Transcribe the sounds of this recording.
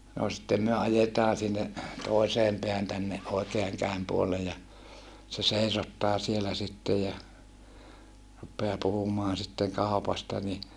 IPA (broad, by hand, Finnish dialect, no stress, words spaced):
no sitːem myø ɑjetɑː sinːe toi̯seːm peæhæn tænːe oikeɑŋ kæem puolːej jɑ se seisotːɑː sielæ sitːej jɑ rupːeɑː puhumoɑn̞ sitːeŋ kɑˑupɑstɑ ni